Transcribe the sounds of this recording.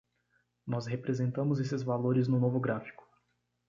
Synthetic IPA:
nɔshepɾezẽnt̪ɐ̃mʊzesɪzvaloɾɪznʊnovʊɡɾafi̥kʊ̥

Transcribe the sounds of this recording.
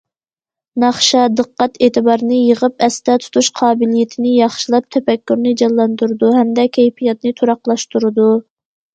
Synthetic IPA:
nɑχʃɑd̪əqːɑt̪eːt̪ʰɨbɑɾɨnɨjəʁəpɛst̪ɛt̪ʰu̥t̪ʰuʃqʰɑːbɪlijɪt̪ʰɪnɪjɑχʃilˠɑp̚t̪ʰɛfɛkʲːyɾnɨd͡ʒɑlˠːɑnd̪uɾɨd̪uɦɛmd̪ɛkʲʰɛjpʰijɑt̪̚nɨt̪ʰuɾɑqlˠɑʃt̪uɾɨd̪u

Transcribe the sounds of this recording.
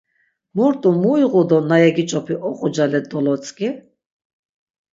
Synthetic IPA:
mɔɾt̪ʼumuiʁud̪ɔnajɛɡit͡ʃʼɔpʰiʔɔqʼɔd͡ʒalɛd̪ɔlɔt͡sʼkʼi

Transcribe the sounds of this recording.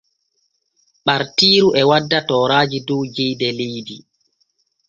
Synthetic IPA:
ɓaɾtiːɾuʔɛwadːatɔːɾaːd͡ʒidɔd͡ʒɛjdɛlejdi

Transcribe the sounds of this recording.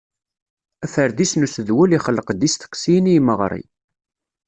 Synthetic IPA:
æfəɾðisnusəðwæliχəlːəqd̪ist̪ə̥qsijnijməʁɾˤḭ

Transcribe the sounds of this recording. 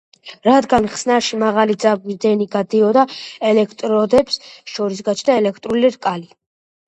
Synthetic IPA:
ɾad̪ɡanχsnaʃimaʁalid̪zab̚ɡid̪ɛniɡad̪iɔd̪aɛlɛkʰt̪ʼɾɔd̪ɛbsʃɔɾis̬ɡat͡ʃʰd̪aɛlɛkʰt̪ʼɾuliɾkʼali

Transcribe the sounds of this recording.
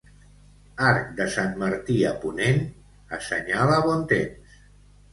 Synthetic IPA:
aɾk̚d̪əsamməɾt̪iəpunen | əsə̰ɲaləβɔnt̪ems

